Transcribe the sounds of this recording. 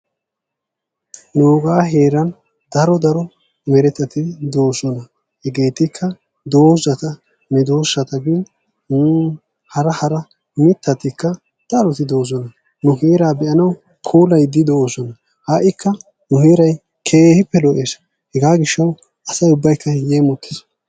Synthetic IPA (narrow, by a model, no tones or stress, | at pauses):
noːɡaːɦeːɾɐn | d̪̥ɐɾɔd̪ɐɾɔ | mɛɾɛt̪ːɐt̪ɪd̪o̞ːsɔnɐ | hɛɡe̞ːt̪ɪkʰːɐ | d̪o̞ːzɐt̪ɐ | nɛd̪oːsːɐt̪ɐɡɪn | nʊ | hɐɾɐhɐɾɐ | mɪt̪ːɐt̪ɪkːɐ | d̪̥ɐɾɔt̪ɪd̪o̞ːzɔnɐ | nʊɦeːɾaːbɛʔɐnɐw | kʰuːlɐjd̪ɪd̪oːsɔnɐ | haʔɪkʰːɐ | nʊheːɾɐj | kʰeːhɪpːɛlɔʔeːs | hɛɡaːɡɪʃːɐw | ɐsɐjʊbːɐjkːɐjeːmɔt̪ːɪ̥s